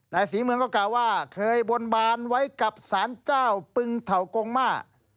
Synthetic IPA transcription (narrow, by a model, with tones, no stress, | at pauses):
naː˧jsiː˨˦mɯ˧əŋkɔː˥˩kaː˨˩wːaː˥˩kʰɤː˧jbo˧nbaː˧nwa˦˥jka˨˩p̚saː˨˦nt͡ɕaː˥˩wpɯ˧ŋt̪ʰa˨˩wko˧ŋmaː˥˩ʔ